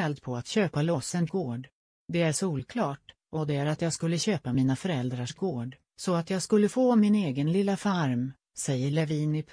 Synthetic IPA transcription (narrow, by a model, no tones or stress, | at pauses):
ɛld̪pʰɔat̪ɕøːpalɔsən̚ɡoːɖ | d̪ɛæɾʂuːlkʰlɑːʈ | ʔɔd̪ɛæɾat̪jɑːɡskɵlːəɕøːpamiːnafœɾɛld̪ɾaʂɡoːɖ | sɔat̪jɑːɡskɵlːəfoːmɪneːɡənlɪlːafaɾm | sɛjːəɭɛviːnɪpʰ